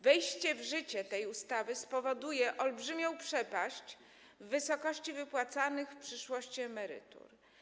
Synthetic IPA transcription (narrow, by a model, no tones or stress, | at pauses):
vɛjɕt͡ɕɛvʐɘt͡ɕɛt̪ɛjust̪avɘspɔvɔd̪ujɛʔɔlbʐɘmʲjɔ̃w̃pʂɛpaɕt͡ɕ | vːɘsɔkɔɕt͡ɕivɘpwat̪sanɘxfpʂɘʂwɔɕt͡ɕiɛmɛɾɘ̰t̪ṵɾ